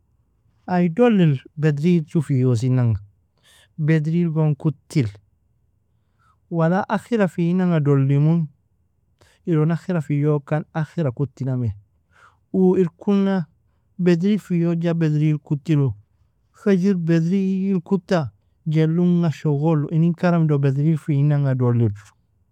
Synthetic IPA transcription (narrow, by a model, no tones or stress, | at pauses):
ajdolːilbedɾilt͡ʃufijos̬inaŋa | bedɾilɡoŋkutːil | walaʔaxiɾafinaŋadolːimun | iɾonaxiɾafijokanaxiɾakutːiname | uiɾkuna | bedɾifijod͡ʒabedɾilkutːilu | xad͡ʒiɾbedɾijilkutːa | ɟelːuŋːaʃoɣoluʔiniŋkaɾamdobedɾilfiinaŋadolːid